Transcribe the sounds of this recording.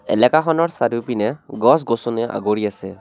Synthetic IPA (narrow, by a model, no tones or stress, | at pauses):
ɛ̰lɛkaxɔnɔɹsadupinɛɡɔs̬ɡosɔnɛʔa̰ɡoɹiasɛ